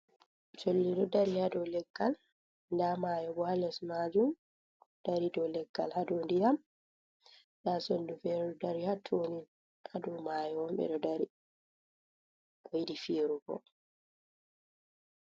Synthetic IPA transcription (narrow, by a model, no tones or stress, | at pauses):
tolːidɔdaɾihadɔlɛɡ̥ːal | ndamaːjɔbɔhalɛsmad͡ʒum | d̥aɾidɔlɛɡ̥ːa̰lhadondijam | ndasondufɛɾɔdaɾihatʰːonin | ʔadɔmaːjɔɔmbɛ̰dɔdaɾi | ojdifiːɾuɡɔ̰